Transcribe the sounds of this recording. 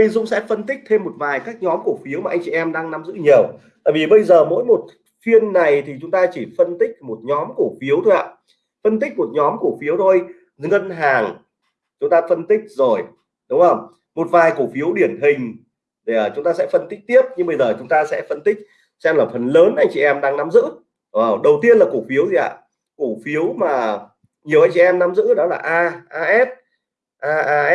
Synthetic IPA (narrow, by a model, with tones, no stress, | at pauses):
zʊ̰˧˥ŋ͡msɛ̰˧˥fə˧nt̪ï˦˥k̚t̪ʰe˧mːo˨˩t̚vaː˨˩jkaː˦˥k̚ɲɔ˨˦mku˧˩əfi˨˦əwmaː˨˩ʔjŋ̟t͡ɕi˨˩ʔɛ˧mɗaː˧ŋna˨˦mzɨ̰˧˥ɲi˨˩əw | t̪a̰ː˧˨vi˨˩ɓə˧jzəː˨˩mo̰˧˥jmo˨˩t̚ | fi˧ənːa˨˩jt̪ʰi˨˩t͡ɕʊ˨˦ŋ͡mt̪aː˧t͡ɕi˧˩fə˧nt̪ï˦˥k̟̚mo˨˩t̚ɲɔ˨˦mku˧˩əfi˨˦əwt̪ʰo˧jha̰ː˧˨ | fə˧nt̪̬ï˦˥k̟̚mo˨˩t̚ɲɔ˨˦mku˧˩əfi˨˦əwt̪ʰo˧j | ŋə˧nɦaː˨˩ŋ | t͡ɕʊ˨˦ŋ͡mt̪aː˧fə˧nt̪ï˦˥k̚zo˨˩j | ɗʊ˨˦ŋ͡mzə˧˩wŋ͡m | mo˨˩t̚vaː˨˩jku˧˩fi˨˦əwɗi˧˩ənɦï˨˩ŋ̟ | ɗe˧˩˨t͡ɕʊ˨˦ŋ͡mt̪aː˧sɛ̰˧˥fə˧nt̪ï˦˥k̚t̪i˦˥əp̚ɲɨ˧ŋɓə˧jzəː˨˩t͡ɕʊ˨˦ŋ͡mt̪aː˧sɛ̰˧˥fə˧nt̪ï˦˥k̟̚ | t͡ɕːmlaː˨˩fə˨˩nləː˨˦nʔa˧jŋ̟t͡ɕḭ˧˨ʔɛ˧mɗaː˧ŋna˨˦mzɨ̰˧˥˨ | ə˨˩wɗə˨˩wt̪i˧ənlaː˨˩ku˧˩fi˨˦əwtzi˨ʔa̰ː˧˨ | ku˧˩fi˨˦əwmaː˨˩ | ɲi˨˩əwʔa˧jŋ̟t͡ɕḭ˧˨ʔɛ˧mna˨˦mzɨ̰˧˥ɗɔ˨˦laː˨˩ʔaː˧ʔaː˧ʔɛ˦˥p̚ | ʔaː˧ʔaː˧˦